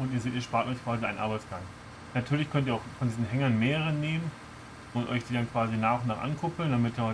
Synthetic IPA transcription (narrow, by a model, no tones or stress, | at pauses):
ʔʊntiɐzeːtiːɐʃpaːtɔʏçkv̥aːziaɪnʔa̰ɐbaɪt͡sɡ̥aŋ | natʰyːɐlɪçkʰœntiːɐaʊxfɔndiːzn̩ɦɛŋɐnmeːʁəʁəneːmən | ʔʊntʔɔ̰ʏçd̥iːdankv̥aːzinaːχʊnaːχʔa̰nkʰʊpl̩ndamɪtiɐhɔ